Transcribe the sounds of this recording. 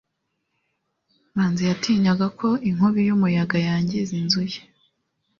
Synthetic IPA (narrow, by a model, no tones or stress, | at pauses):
maːnzijatʰiːɲaɡakʰo̞iŋ̥huβijumujaɡajaːɲɟe̞zinzuje